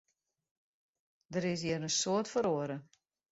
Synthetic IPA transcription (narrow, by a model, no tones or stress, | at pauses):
dəɾɪs̬jiəɾənsoətfəɾoəɾə